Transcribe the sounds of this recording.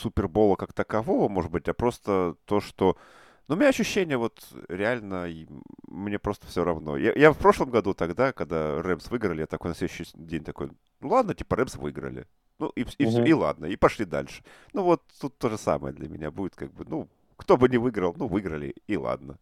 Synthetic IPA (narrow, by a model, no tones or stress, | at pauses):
supʲɪrbo̞lˠəkakt̪əkɐvovəmo̞ʐɨd̪̚bɨtʲjapɾo̞st̪ət̪o̞ʂt̪o | numɪnʲaɐɕːʏɕːenʲɪjəvo̞t̪ɾʲɪalʲnəimnʲe̞pɾo̞st̪ə̥fsʲoɾɐvno̞̰ja̰jafpɾo̞ʂlˠəmɡɐd̪ut̪ɐɡd̪akɐɡd̪arɛmsvɨɡɾəlʲjat̪ɐkojnɐslʲed̪ʉɕɪdʲenʲt̪ɐko̞̰j | nulˠad̪nətʲipəɾɛbsvɨɡɾə̰lʲɪ̰ | nuififsʲoilˠa̰d̪̚nəipɐʂlʲid̪a̰lʲʂɨ̥nuvo̞t̪ːut̪ːo̞ʐɨsa̰mə̰jəd̪lʲɐmʲɪ̰nʲabudʲɪt̪kaɡ̚bɨnu | kt̪obɨnʲɪvɨɡɾəlˠnuvɨɡɾəlʲɪ̰ːlˠa̰d̪̚nə